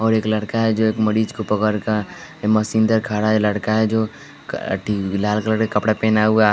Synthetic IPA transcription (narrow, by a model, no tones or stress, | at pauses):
ɔːɾeːkləɽkaɦɛd͡ʒoeːkməɽiːd͡ʒkopəkəɾkaməsĩnd̪əɾkʰaːɽaləɽkaɦɛd͡ʒo̰ | ʈilaːlkeləɽkakɐpɽapẽːnaua